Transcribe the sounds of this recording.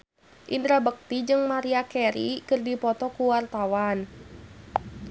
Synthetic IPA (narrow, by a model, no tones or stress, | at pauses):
ʔindɾabək̚t̪id͡ʒɨŋmaɾiakɛɾḭkɨrdipɔt̪ɔkuwart̪awan